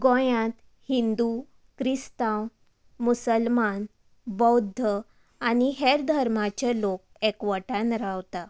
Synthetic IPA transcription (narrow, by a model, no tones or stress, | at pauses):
ɡõjãt̪ | hind̪u | kɾist̪ãw | musəlman | bəwd̪ʱːə | aniɦeɾd̪ʱəɾmat͡ɕalok̚ | ekʋəʈãnɾawt̪a